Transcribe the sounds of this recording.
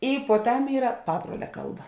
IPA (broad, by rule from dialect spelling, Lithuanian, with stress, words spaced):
ɪ puɔˈtɐm ˈiːrɐ ˈpɑːbruɔlʲɛ ˈkɐlˠˌbɐ